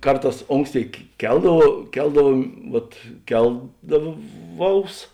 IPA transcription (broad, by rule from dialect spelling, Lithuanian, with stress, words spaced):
ˈkɐrˌtɑːs ˈoːŋksʲˌtʲeːɪ ˈkʲɛlˠdɐʋɐʊ ˈkʲɛlˠdɐʋuɔm ˈʋɐt ˈkʲɛlˠdɐˌʋɐʊs